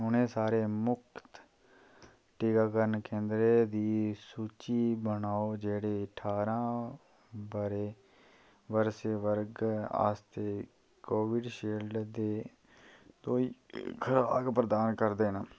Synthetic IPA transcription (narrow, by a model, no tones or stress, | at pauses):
ɦʊnẽːsaːɾeːmʊkʰt̪ | ʈiːkaːkəɾənkẽːnd̪ɾeːd̪iːsuːt͡ʃiːbənaːoːd͡ʒeːɽeːəʈʰaːɾãː | bəɾeː | ʋəɾseːʋəɾɡa̰ːst̪eː | koːʋɪɖʃeːlɖd̪eː | t̪oːiːkʰəɾaːɡpɾəd̪aːnkəɾd̪eːna